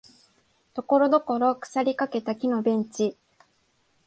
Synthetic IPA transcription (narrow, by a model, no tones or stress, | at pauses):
t̪o̞ko̞ɾo̞d̪o̞ko̞ɾo̞kɯ̟̥saɾʲikake̞t̪akʲino̞bẽ̞ɲ̟t͡ɕi